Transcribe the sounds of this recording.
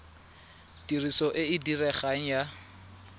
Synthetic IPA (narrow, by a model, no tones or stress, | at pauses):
tirisɔʔɪɪdirɛχaŋ̩ja